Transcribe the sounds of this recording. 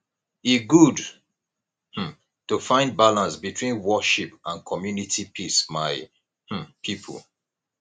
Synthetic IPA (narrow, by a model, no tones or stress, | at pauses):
iɡud | tufãɪ̃nd̚balãnsbitʰwĩnwɔʃipãnkʰɔmjunitʰipʰismaɪ | pʰipʰə̰l